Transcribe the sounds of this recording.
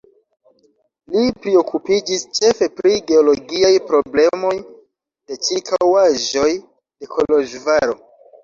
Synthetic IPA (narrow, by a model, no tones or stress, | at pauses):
lipɾio̞kupid͡ʒist͡ʃe̞fe̞pɾiɡe̞o̞lo̞ɡiajpɾo̞ble̞mo̞j | de̞t͡ʃikʰawaʒo̞j | de̞kʰo̞loʒvaɾo̞